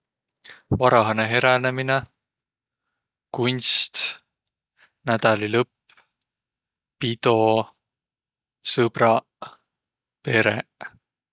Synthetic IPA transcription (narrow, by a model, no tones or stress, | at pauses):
vɑɾɑɦɑneɦe̞ɾenemine | kunʲst̪ | næd̪̥ɑlilɤpː | pid̪̥o̞ | sɤbrɑ | pe̞ɾḛ